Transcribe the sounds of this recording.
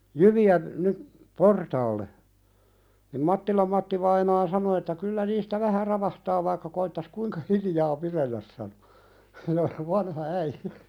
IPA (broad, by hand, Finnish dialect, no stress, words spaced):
jyʋiæ nyp portɑːlːe nim mɑtːilɑm mɑtːiʋɑinɑː sɑno etːæ kylːæ niːstæ ʋæhæ rɑʋɑhtɑː ʋɑikːɑ koitːɑs kuiŋkɑ hilijɑː pirelːæs sɑno̥ ʋɑnhɑ æijæ̥